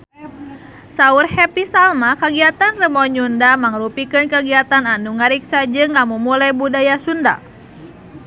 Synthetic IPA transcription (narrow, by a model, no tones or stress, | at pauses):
saurhɛpisalmakəɡiat̪anrəmɔɲundamaŋɾupikɨnkəɡiat̪ananuŋaɾiksad͡ʒɨŋːamumulajbudajasunda̰